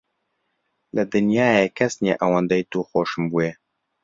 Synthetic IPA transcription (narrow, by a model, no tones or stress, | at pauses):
lɨd̪ɨnjaːjekʰɛsnjeːʔawand̪ɛjt̪uːxoːʃɨmbuːje